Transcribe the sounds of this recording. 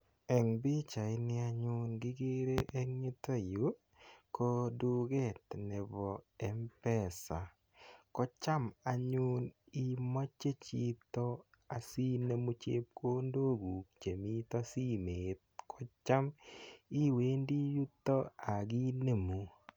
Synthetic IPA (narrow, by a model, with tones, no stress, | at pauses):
ɛ˨ŋbɪ˦t͡ʃa˨ɪ˦nɪ˦a˧ɲʊ˦nɡɪ˦ɡe˦ɾe˦ʔɛ˦ŋɲɪ˦t̪o˦˨ju˨˦ | ko˦du˦ɡɛ˦˨t̪nɛ˨bɔ˨ɛ˨˦mpɛ˦˨sa˨ | kɔ˦t͡ʃa˦ma˨ɲʊ˦ni˦mo˦t͡ʃe˦t͡ʃi˦t̪ɔ˦ | a˨si˦ne˦mu˦t͡ʃḛ˦p̚kʰo˦ndo˦ɡu˨k̚t͡ʃe˨mi˦t̪ɔ˦si˦me˨t̪̚kɔ˦t͡ʃa˦mi˦we˦ndi˦ju˦t̪ːɔ˦a˨ɡi˦ne˨mu˨